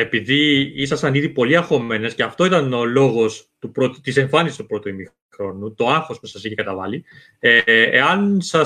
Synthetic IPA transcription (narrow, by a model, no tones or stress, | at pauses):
e̞piðiisɐsɐniðipo̞liɐxo̞me̞ne̞sceɐft̪o̞it̪ɐno̞lo̞ɣo̞st̪upɾo̞t̪t̪ise̞ɱfɐnisi̥st̪u̥pɾo̞t̪uimi | xɾo̞nut̪o̞ɐxo̞spusɐsiçekɐt̪ɐvɐli | eḛɐnsɐ